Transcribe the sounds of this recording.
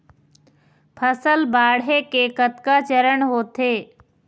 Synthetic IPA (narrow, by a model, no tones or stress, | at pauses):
pʰəsəlbaːɽɦekekət̪kat͡ʃəɾəɳɦoːt̪eː